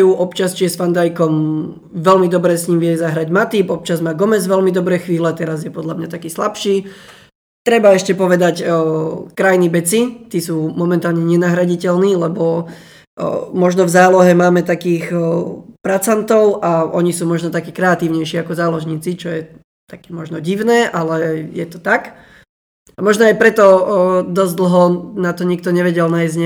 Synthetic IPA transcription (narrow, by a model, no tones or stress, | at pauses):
juʔɔpt͡ʃast͡ʃijɛsfand̪ajkɔm | ʋɛlmid̪ɔbɾɛːsɲiːmʋɪɛzaɦɾaɟmat̪ipɔp̚t͡ʃazmaːɡɔmɛzʋɛlmid̪ɔbɾɛːxʋiːlɛt̪ɛɾazjɛpɔd̪ʎamɲat̪akiːslapʃiː | t̪ɾɛbaɛʃcɛpɔʋɛd̪ac | kɾajnibɛt͡sit̪iːsuːmɔmɛnt̪aːlɲɛɲɛnaɦɾaɟicɛlniːlɛbɔ | mɔʒnɔvzaːlɔɦɛmaːmɛt̪akiːx | pɾat͡sant̪ɔʊʔaʔɔɲisuːmɔʒnɔt̪akiːkɾɛat̪iːʊɲɛjʃiakɔzaːlɔʒɲiːt͡sit͡ʃɔjɛ | t̪akɛ̥ːmɔʒnɔɟiʊnɛːʔalɛjɛt̪ɔt̪ak | amɔʒnɔajpɾɛt̪ɔd̪ɔzd̪l̩ɦɔnat̪ɔɲik̚t̪ɔɲɛʋɛɟɛlnajzɲɛ